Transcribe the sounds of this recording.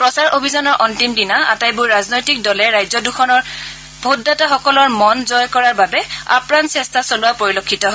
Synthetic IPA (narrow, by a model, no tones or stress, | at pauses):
pɹɔsaɹʔobʱizɔnɔɹʔɔntimdinaa̰tajbʊɹɹaznojtik̚dɔlɛɹajzɔduxʰɔnɔɹ | b̥ʱodːataxɔkɔlɔɹmɔnzɔjkɔɹaɹbabɛa̰pɹantsɛstasolʊwapoɹilokʰːitɔɦɔ